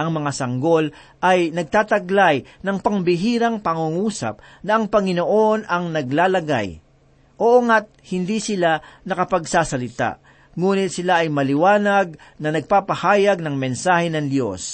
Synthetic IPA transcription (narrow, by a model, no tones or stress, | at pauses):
ʔɐŋmɐŋasɐŋɡo̞l | ʔɐjnɐɡ̚t̪aːt̪ɐɡlajnɐŋpɐŋbɪɦiːɾɐŋpɐŋuŋuːsa̰p̚ | nɐʔɐŋpɐŋɪnoʔo̞nɐŋnɐɡlaːlɐɡa̰j | ʔoʔoŋat̪̚hɪnd̪isɪlanɐkɐpɐɡsaːsɐlɪt̪a̰ʔ | ŋuːnɪt̪̚sɪlaʔɐjmɐlɪwaːnɐɡ̚nɐnɐɡ̚paːpɐhaːjɐɡ̚nɐŋmɛnsaːhɛnɐŋd̪jo̞̰s